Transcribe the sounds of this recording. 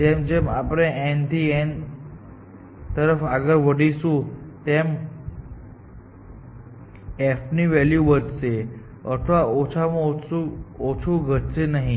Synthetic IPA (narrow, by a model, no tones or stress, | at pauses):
t̪emd͡ʑemapɽ̃ẽent̪ien | t̪əɾəfaɡəɾʋəɽisũt̪em | efniʋɛljuʋət̪t͡se | ə̰t̪ʰʋaot͡ɕʰamot͡suot͡sʰuɡʱəʈ̚t͡senaɦĩ